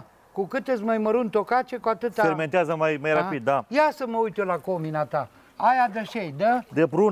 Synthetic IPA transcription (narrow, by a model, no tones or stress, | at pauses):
kukɨt̪esʲmajməɾunt̪o̞kat͡ʃe̞kuat̪ɨt̪afeɾme̞nt̪eazəmajmajɾapid̪̚d̪ajasəməujt̪jolako̞minat̪a | ajad̪əʃejd̪əd̪epɾun